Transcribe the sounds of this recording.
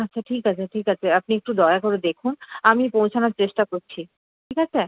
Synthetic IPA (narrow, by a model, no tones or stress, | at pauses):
atːɕʰaʈʰikat͡ɕʰeʈʰikat͡ɕʰeapniek̚ʈud̪ɔeakoɾed̪ekʰunamipowt͡ɕʰanaɾt͡ɕeʃʈakoɾt͡ɕʰi | ʈʰikat͡ɕʰe